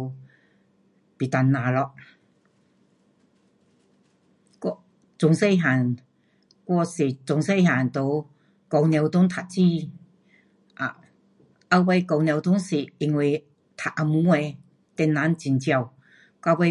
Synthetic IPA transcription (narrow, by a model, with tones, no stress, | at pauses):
pi˨t̪a˧nːaː˨˧lɔ˧ | kɔ˧ | t͡sʊ˨˧ŋse˥˧jɦaː˨˩n | kʷɔ˥˧si˨˩t͡sʊ˨˧ŋse˥˧jɦaː˨˩nt̪o˨˧w | kɔ˧wnjɛ˨˧wt̪ʊ˧˥ŋt̪ʰa˨t̚t͡si˥˧˩ | ʔa˧ | ʔa˧wwa˧jkɔ˧wnjwt̪ʊ˧˥ŋsi˨˩i˨˧˨ŋwe˨˧ | t̪ʰa˨ʔʔa˧mu˧˦ɛ˧ | t̪ɛ˧nːa˨˥nt͡ɕi˧nt͡ɕa˧w | ka˧wa˧